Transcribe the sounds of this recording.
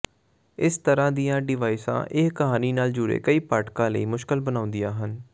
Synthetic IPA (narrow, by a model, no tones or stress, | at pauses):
ɪst̪əɾãːd̪ijãːɖɪʋaːɪsã̰ːʔɪkkəɦaːniːnaːld͡ʒʊːɾḛːkəiːpaːʈkãːləiːmʊʃkəlbənaːʊ̃nd̪ɪjãːɦən